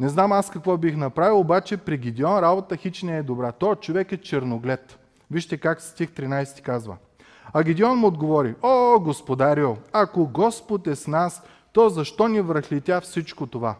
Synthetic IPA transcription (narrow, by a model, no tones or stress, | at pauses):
nɛznamaskɐkvɔbixnɐpɾavilˠobat͡ʃɛpɾiɡʲid̪ʲiɔnɾabot̪əxit͡ʃnɛːd̪obɾat̪ɔt͡ʃovɛkɛt͡ʃɛɾnoɡlɛt̪ | viʃt̪ɛkakst̪ixt̪ɾinajsɛ̥t̪i̥kazvə̰ | ɐɡʲid̪iɔnmʊod̪ɡovɔɾiɔɡospod̪aɾiolˠɐkoɡɔspot̪ɛsnas | t̪ɔzɐʃt̪ɔnivɾɐxlit̪ʲafsit͡ʃkot̪ova̰